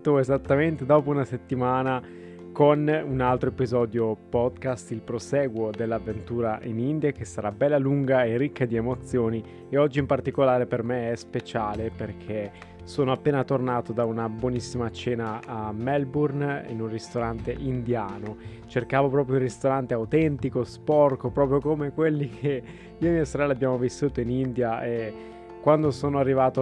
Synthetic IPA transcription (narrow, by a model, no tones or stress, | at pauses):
t̪oezat̪ːament̪ed̪ɔːpounaset̪ːimaːna | konunalt̪ɾoepizɔːd̪jopɔd̪kast̪ilpɾosɛːɡwod̪elːavːent̪uːɾaʔinind̪jakesːaɾabɛlːaluŋɡaerikːad̪iemot̪sːjoːni | eɔd͡ʒːiːmpart̪ikolaːɾepermeɛspet͡ʃaːleperkʰe | soːnoapːeːnat̪ornaːt̪od̪aunabwɔnisːimat͡ʃɛːnaːmɛlburnḭnunrist̪oɾant̪eʔind̪jaːno | t͡ʃerkaːvopɾɔːpɾjounrist̪oɾant̪eawt̪ɛnt̪ikospɔrkopɾɔːp̬ɾjokomekwelːikʰe | iːamiasoɾɛlːeabjaːmovisːuːt̪oinind̪jae | kwand̪osoːnoarːivaːt̪o